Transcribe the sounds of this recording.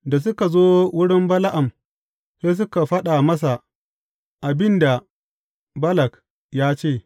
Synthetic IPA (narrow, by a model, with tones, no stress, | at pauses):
da˨s̬ʊ˦ka˨zoː˦wʊ˦ɽɪ˦mbɐ˦la˦ʔa˨m | seː˦s̬ʊ˦ka˨ɸɐ˦ɗa˨mɐ˦s̬a˨ | ʔa˨bɪ˦nda˨ | bɐ˦lɐ˨k | jaː˦t͡ʃeː˦˨